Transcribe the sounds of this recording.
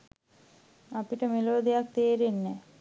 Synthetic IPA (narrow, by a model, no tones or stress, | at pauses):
apiʈəmeloəd̪ejak̚t̪eːɾenːɛ